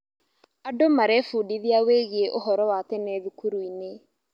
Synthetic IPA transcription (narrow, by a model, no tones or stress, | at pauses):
adomaɾɛfuːdiðiaweɣieʔoɦɔɾɔwatɛnɛðukuɾuine